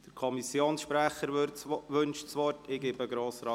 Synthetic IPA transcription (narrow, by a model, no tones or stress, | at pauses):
d̥əɾkʰɔmisjoːnsʃpɾæχəɾʋɵnʃsʋɔrtɪɡ̥ɪbəɡɾoːsɾɑː